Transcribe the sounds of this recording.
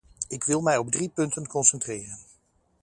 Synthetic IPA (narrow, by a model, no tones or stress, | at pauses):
ɪkʋɪlˠmɛjɔb̚dripɵntənkɔnsɛntrɪːrən